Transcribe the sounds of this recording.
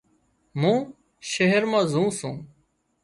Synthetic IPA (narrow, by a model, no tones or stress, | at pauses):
mũː | ʃeɦəɾmãːzũːsũː